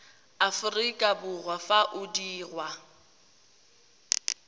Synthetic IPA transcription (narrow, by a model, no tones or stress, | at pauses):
afʊrikʼabʊrwafaʔʊdiːrwa